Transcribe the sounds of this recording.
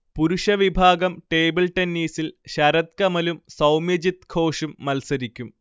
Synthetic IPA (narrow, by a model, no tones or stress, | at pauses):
puɾuʂɐʋibʱaːɡɐmʈeːbilʈenːiːsilɕɐɾɐt̪̚kɐmɐlumsɐwmjɐd͡ʑit̪kʰo̞ːʂumːɐlsɐɾikʲːum